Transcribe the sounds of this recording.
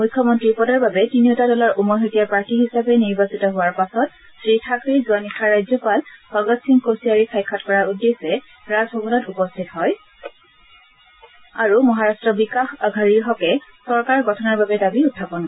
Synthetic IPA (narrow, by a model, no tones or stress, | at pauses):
mujkʰːjɔmɔntɹipɔdaɹbabɛtiniʊtadɔlaɹʔumɔɦotijapaɹkiɦisapɛniɹbasitɔɦʊwaɹpasɔt | sɹitʰakɹizuanikʰːaɹajzɔpalbɔɡɔtsiŋkosiaɹikʰajkʰːɔtkɔɹaudːesɛ | ɹazɦɔɡɔnɔtupɔstʰitɦɔj | aɹumɔɦaɹastɹɔbikaxaɡʱaɹiɹɦɔkɛsɔɹkaɹɡɔtʰɔnaɹbabɛdabiutʰːapɔnkɔ